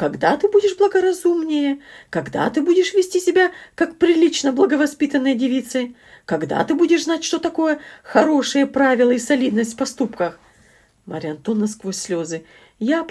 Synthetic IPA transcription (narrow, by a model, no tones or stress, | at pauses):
kɐɡd̪at̪ɨbudʲɪʂblˠəɡəɾɐzumnʲɪjəkɐɡd̪a̰t̪ɨbudʲɪʂvʲɪsʲtʲisʲɪbʲakak̚pɾʲɪlʲit͡ɕnəblˠəɡəvɐspʲit̪ənːɨjədʲɪvʲit̪sɨ | kɐɡd̪a̰t̪ɨbudʲɪʂznatʲʂt̪o̞t̪ɐko̞jəxɐɾo̞ʂɨjəpɾavʲɪlˠəisɐlʲid̪nəsʲtʲfʲpɐst̪upkəx | mɐɾʲɪɐnt̪o̞nːɐskvo̞sʲsʲːlʲo̞zɨ | ja